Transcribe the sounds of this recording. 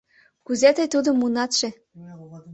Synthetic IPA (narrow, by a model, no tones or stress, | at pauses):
kuzet̪əjt̪ud̪omːunɑt̪ʃĕ